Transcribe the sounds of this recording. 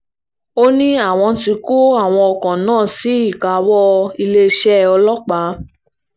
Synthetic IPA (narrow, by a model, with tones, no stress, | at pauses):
o˦nĩ˦a˦˨w̃ɔ̃˧ti˧ko˦a˦˨w̃ɔ̃˧ɔ˧kã˨nãː˦˨si˨˦i˦˨ka˨wɔ˦i˧le˦˧˦ʃɛ˦ɔ˧lɔ˦k͡pa˨˦